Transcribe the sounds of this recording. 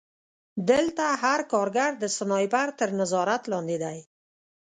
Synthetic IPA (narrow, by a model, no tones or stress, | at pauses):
d̪əlt̪aɦaɾkɑɾɡaɾd̪əsənɑjbaɾt̪əɾnəzɑɾat̪lɑnd̪ed̪aj